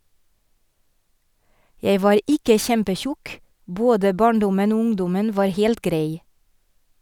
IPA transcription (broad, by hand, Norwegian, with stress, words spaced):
ˈjæɪ ˈʋɑːɾ ˈʔɪkə ˈçɛmpəˌçʊk ˈboːdə ˈbɑːɳˌdʊmən ˈuː ˈʊŋdʊmən ˈʋɑːɾ ˈheːlt ˈɡɾæɪ